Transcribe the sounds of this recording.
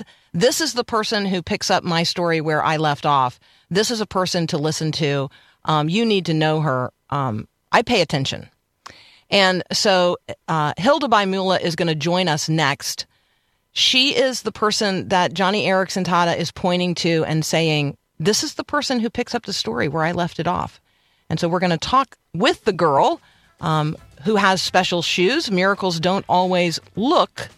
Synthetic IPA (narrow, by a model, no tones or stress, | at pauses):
ðɪsɨzðəpʰɜ˞sɨ̃nɦʉpʰɪksʌp̚maɪstɔɹiwə˞ʔa̰ɪlɛftɔf | ðɪsɨzəpʰɜ˞sɨ̃ntʰəlɪsɨ̃ntʰʉ | ʔjɨnid̚tɨnoʊə˞ | ʔ | ʔaɪpʰeɪɨtʰɛ̃nʃɨ̰̃n | ʔɨ̃nsoʊ | ɦɪlˠdəbaɪmʉlˠəʔɪzɡʌñɨd͡ʒɔ̃ɪ̃nʌsnɛkst | ʃiɪzðəpʰɜ˞sɨ̃nðɨt̚d̥ʒ̥ɑñiɛɹɨksɨ̃ntʰɑɾɨʔɪz̥pʰɔ̃ɪ̃ɾ̃ɪ̃ŋtʰʉɨ̰̃nseɪɪ̃ŋ | ðɪsɨzðəpʰɜ˞sɨ̃nɦʉpʰɪksʌp̚ðɨstɔɹḭwə˞aɪlɛftɨɾɔ̰f | ɨ̃nsoʊwɨɹɡʌñɨtʰɔk | wɪðɨɡɜ˞lˠ | ɦuəz̥spɛʃl̩ˠʃʉzmɪɹɨkl̩ˠzdõʊ̃ntɔlˠwizlʊk